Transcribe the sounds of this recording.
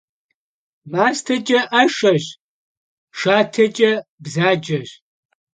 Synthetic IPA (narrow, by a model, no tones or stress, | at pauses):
maːstʰɐt͡ʃʼɐʔɐʂɐɕ | ʂaːtʰɐt͡ʃʼɐbzaːd͡ʒɐɕ